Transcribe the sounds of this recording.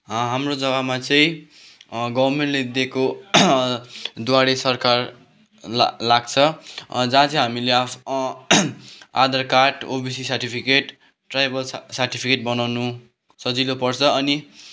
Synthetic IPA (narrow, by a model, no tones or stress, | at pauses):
ɦamrod͡zʌɡamat͡sʌĩ | ɡʌbrmeɳʈled̪eko | d̪waɽesʌrkar | laɡt͡sʰʌd͡zãt͡sʰʌ̃ɦamilea | a̰d̪ʌrkaʈobisisʌrʈipʰikeʈː | rajbʌlsʌrʈipʰikeʈ̚bʌnawnu | sʌd͡zilopʌrt͡sʰʌʌni